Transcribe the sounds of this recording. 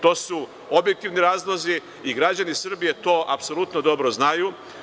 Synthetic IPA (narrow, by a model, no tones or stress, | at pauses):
t̪o̞ːsu | objek̚t̪iʋniɾaːzlˠozi | iɡɾad͡ʑanisr̩bije̞t̪o̞ːʔapso̞lˠut̪nod̪o̞bɾo̞znaju